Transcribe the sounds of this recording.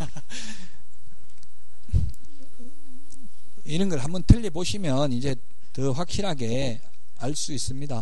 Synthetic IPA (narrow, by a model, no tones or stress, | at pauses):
iɾʌnɡʌɭɦambʌntʰɯʎːiboɕʰimjʌnid͡ʑe̞ | tɯɸwak̚ɕ͈iɾɦaɡe̞ | aɭs͈uis͈ɯmɲida